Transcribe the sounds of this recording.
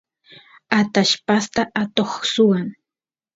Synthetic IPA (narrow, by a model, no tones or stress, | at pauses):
at̪aʃpast̪aʔat̪oχsʊwaŋ